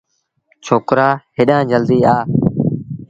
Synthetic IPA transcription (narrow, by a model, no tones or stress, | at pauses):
t͡ʃʰoːkɾaːɦɪɗãːd͡ʒəld̪iːaː